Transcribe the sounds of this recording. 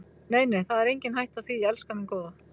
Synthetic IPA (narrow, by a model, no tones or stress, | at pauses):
neːjnejθaðɛɾejɲcɪnɦajht̪awθviːɛlskamɪnkoːwða